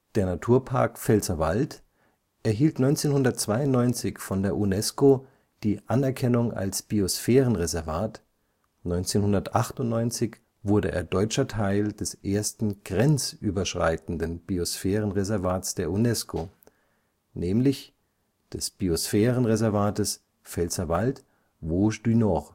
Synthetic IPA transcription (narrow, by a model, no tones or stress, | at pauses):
d̥eːɐnatʰuːɐpʰa̰ɐkfɛlsɐvalt | ʔɛɐɦiːltnɔʏnt͡seːnhʊndɐt̚t͡sv̥aɪʊnnɔʏnt͡sɪçfɔndeːɐʔunɛsko | d̥iːʔanɛɐkʰɛnʊŋʔa̰lsb̥iosfɛːʁənʁezɛɐvaːt | nɔʏnt͡seːnhʊndɐtʔaχtʊntnɔʏnt͡sɪç | v̥ʊɐdəʔḛːɐdɔʏt͡ʃɐtʰaɪld̥ɛsʔeːɐstn̩ɡ̥ʁɛnt͡sʔyːbɐʃʁ̥a̰ɪtn̩dənb̥iosfɛːʁənʁezɛɐvaːtsd̥eːɐunɛskʰo | nʔɛːmlɪç | d̥ɛsb̥iosfɛːʁənʁezɛɐvaːtəs | fɛlsɐvalt | voːʃd̥ynɔʁ